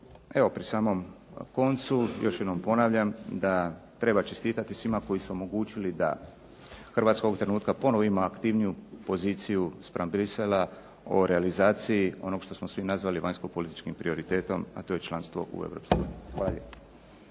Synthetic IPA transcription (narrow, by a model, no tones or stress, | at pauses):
e̞ʋo̞pɾisaːmo̞m | ko̞nt̪sujo̞ʃjed̪nompo̞naːʋʎamd̪at̪ɾe̞bat͡ʃest̪iːt̪at̪isʋimako̞jisuo̞mo̞ɡuːt͡ʃilid̪a̰ | xrʋaːt̪sko̞ɡt̪ɾe̞nuːt̪kapo̞noʋoimaːkt̪iʋnijupo̞ziːt̪sijuspɾambɾisela | o̞̰ɾealizaːt̪sijio̞no̞ɡʃt̪o̞smo̞sʋinazʋaliʋaɲsko̞po̞lit̪i̥t͡ʃkimpɾio̞ɾit̪e̞ːt̪o̞ma̰t̪o̞jet͡ʃlˠanst̪ʋo̞̰ʔṵḛʋɾo̞̰ːpskojṵniixʋaːʎḛ